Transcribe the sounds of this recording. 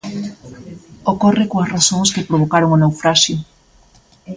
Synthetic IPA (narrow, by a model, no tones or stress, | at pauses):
okorɪkoɐsrasoŋskepɾoβ̞okaɾoŋonawfɾaʃjo